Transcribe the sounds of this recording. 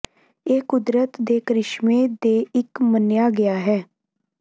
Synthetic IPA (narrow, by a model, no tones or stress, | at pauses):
eːkʊd̪ɾət̪d̪eːkɾɪʃmeːd̪eːɪkmənjaːɡɪjaːɦɛː